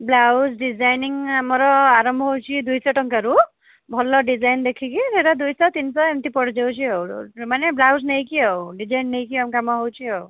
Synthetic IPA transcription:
blawsɖid͡ʒajniŋamɔɾɔaɾɔmbʱɔɦowt͡ʃʰid̪ujsɔʈɔŋkaɾu | bʱɔlɔɖid͡ʒajnd̪ekʰikiɾeɾad̪ujsɔt̪insɔemt̪ipɔɽd͡ʒawt͡ʃʰiɔwmaneblawsnejkiɔwɖid͡ʒajnːejkiamkamɔɦowt͡ʃʰiɔw

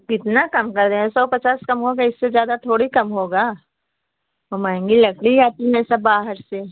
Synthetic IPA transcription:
kɪt̪nakɐmkɐɾd̪eɦɛ̃sɔːpɐt͡ʃaːskɐmɦoːɡaɪsːezjaːd̪at̪ʰoːɽikɐmɦoːɡaː | omãːẽŋɡilɐkɽijaːt̪imɛ̃ːsabaːɦəɾse

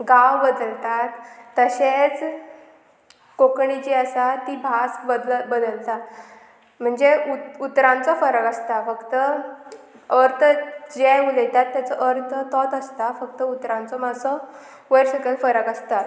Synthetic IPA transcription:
ɡawbəd̪əlt̪at̪ːəɕet͡s | kokɳit͡ɕiəsat̪ːiːbʱasbəbəd̪əlt̪a | m̤əɳd͡zeuut̪ɾãnt͡sɔfəɾəkəst̪afəkt̪ə | əɾt̪ʰəd͡ʑeulət̪at̪ːjat͡səʔəɾt̪ʰət̪ɔt̪əst̪afək̚t̪əut̪ɾãnt͡sɔməsɔ | ʋəjɾɕəkəlfəɾəkəst̪at̪

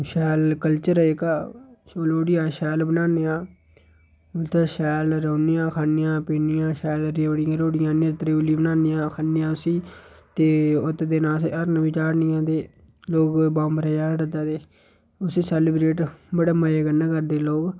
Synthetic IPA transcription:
ʃɛːlkəlt͡ʃəɾəɪkaːoːloːɽɪjaːʃɛːlbənaːneːãː | ʊt̪aːʃɛːlɾoːnɪjãːkʰaːnɪjãːpeːnɪjãːʃɛːlɾeɽɪjãːɾoːɽɪjãːnːt̪əɾiːwliːbənaːnɪjãːkʰaːnɪjãːʊsiː | t̪eːʊt̪ːd̪eːnaːseəɾnʋɪt͡ʃaːɾnɪjãːd̪eː | loːɡbãːmbəɾaːjaːɾɾəd̪aːd̪eː | ʊsiːsɛːlɪbɾeːʈbəɽaːməjeːɡənːãːkəɾd̪eːloːɡ

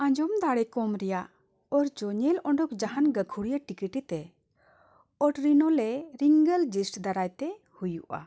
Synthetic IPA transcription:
ãɲd͡ʒɔmd̪aɽɛkɔmɾɛjaʔ | ɔɾd͡ʒɔɲɛlɔɳɖɔkd͡ʒahanɡəkʰuɽijaʈikiʈit̪ɛ | ɔʈɾinɔlɛɾiŋɡəld͡ʒisʈd̪aɾajt̪ɛ | hujuʔa̰

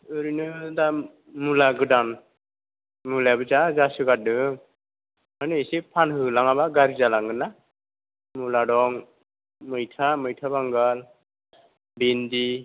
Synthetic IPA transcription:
ɯɾinɯda | mulaɡɯdan | mulabɯzazasɯɡat̚dɯŋ | manɯisipʰanɦɯlaŋabaɡaɾizalaŋɡɯna | muladɔŋ | mɯjtʰamɯjtʰabaŋɡal | bindi

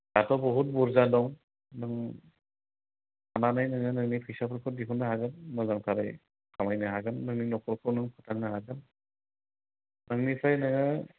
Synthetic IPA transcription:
datʰɔbɔɦut̚buɾzadɔŋ | nɯŋ | ananajnɯŋɯnɯŋnipʰɯjsapʰɯɾkʰɯdiɦunːaɦaɡɯnmɯzaŋtʰaɾaj | kʰamajnɯɦaɡɯnːɯŋninɔkʰɔɾkʰɯwnɯŋpʰatʰak̚naɦaɡɯn | nɯŋnipʰajnaŋɯ

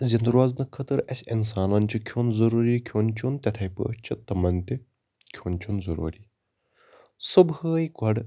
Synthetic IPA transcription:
zʲɐnd̪ɾʋaznɨkʰɐt̪ɨɾɐsʲinsaːnɐnt͡ʃʰikʲʰjoːnzɐɾuːɾiːkʰoːnt͡ʃʰunt̪ʲɐt̪ʰɐjpə̰ːt͡ʃʰit̪ɐmɐnt̪i | kʲʰoːnt͡ʃʰunzɐɾṵːɾiː | subəːjkɐɖ

